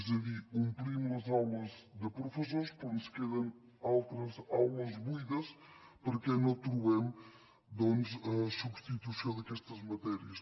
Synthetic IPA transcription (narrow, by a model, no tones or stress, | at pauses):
zɐlikũmpɾimɐzawlɐzd̪ɨpɾufɨsoɾʃponskɛðɐ̃n | alˠt̪ɾɐzawlˠɐzβuiðɐʃ | pɐɾɐkenɐt̪ɾuɛm | d̪õnd̪ɨɛsubʃt̪it̪usɐ̃ðɐkɛʃt̪ɐzmɐt̪ɛɾiɐʃ